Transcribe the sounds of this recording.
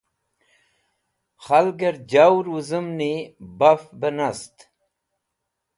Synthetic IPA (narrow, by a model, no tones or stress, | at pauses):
χalɡɐɾd͡ʑawɾuzəmnibafbənast̪